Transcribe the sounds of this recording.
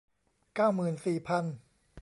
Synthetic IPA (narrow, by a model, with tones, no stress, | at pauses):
kaː˥˩wmɯː˨˩nsiː˨˩pʰa˧n